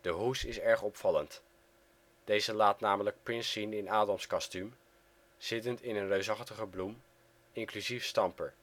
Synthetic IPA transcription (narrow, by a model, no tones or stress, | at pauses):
d̥əɦusɪsɛɹχɔpfɑlənt | d̥ejzəlaːtnaːmələk̚pɹɪnsinɪnaːdɑmskɑstym | z̥ɪtəntɪnənrøɥsɑχtəχəblum | ɪŋklyzifstɑmpəɹ